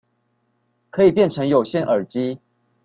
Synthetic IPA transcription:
kʰɤ˧˦i˨˩pjɛ˥˨nʈ͡ʂʰɤ˧˦ŋjo˨˩ʊɕjɛ˥˨nʔə˞˨˩t͡ɕi˦

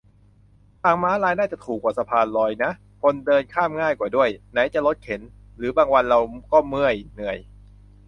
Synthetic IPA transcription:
t̪aː˨˩ŋmaː˦˥ɾaː˧jnaː˥˩t͡ɕa˨˩t̪ʰuː˨˩k̚waː˨˩sa˧pʰaː˧nlɔː˧jna˦˥ʔ | kʰo˧ndɤː˧nkʰaː˥˩mŋaː˥˩jkwaː˨˩du˥˩əjna˩˦˥jt͡ɕa˨˩ʔlo˦˥t̪̚kʰe˩˦n | ɾɯː˩˦baː˧ŋwa˧nɾa˧wkɔː˥˩mɯ˥˩əjnɯ˨˩əj

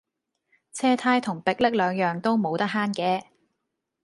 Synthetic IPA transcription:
t͡sʰɛː˥t̪ʰaː˥jt̪ʰʊ˨˩ŋpɪ˨k̚lɪ˥k̚lœː˨˧ŋjœː˨ŋt̪o˥wmo˨˧wt̪ɐ˥k̚ɦaː˥nkɛː˧

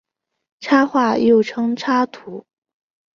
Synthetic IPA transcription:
ʈ͡ʂʰa˥xwa˥˧jo˥˩ʊʈ͡ʂʰɤ˥ŋʈ͡ʂʰa˥t̪ʰu˧˥

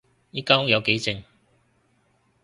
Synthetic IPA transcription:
jiː˥kaː˥ŋ˥jɐ˨˧wke˨˥jt͡sɪ˧ŋ

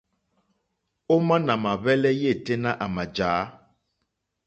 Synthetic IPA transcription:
o˦mã˦nã˨mã˨βɛ˦lɛ˦je˦˨te˦nã˦ʔa˨mã˨d͡ʒaː˨˦

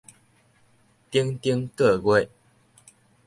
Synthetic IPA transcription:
t̪i˦ŋt̪i˦ŋkɤ˥˧kwe˥˨ɪ

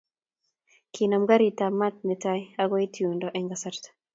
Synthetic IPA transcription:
kʰina˨mɡa˦ɾi˨ta˨ma˦t̚nɛ˨ta˦ja˦ɡɔ˦e˦tʰi˨u˨ndɔ˨ʔɛ˦ŋɡa˨sa˦ɾtḁ

